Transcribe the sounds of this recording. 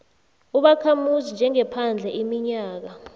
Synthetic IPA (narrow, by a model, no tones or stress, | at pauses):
uɓakʰamuzind͡ʒʱɛŋɛpʰand͡ɮʱɛʔimiɲaːk̬a